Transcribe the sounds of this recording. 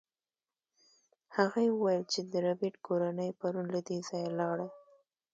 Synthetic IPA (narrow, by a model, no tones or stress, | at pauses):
haɣajewəwajəlt͡ʃed̪əɾabiʈkʰoɾanəjpaɾunlad̪ezɑjalɑɽa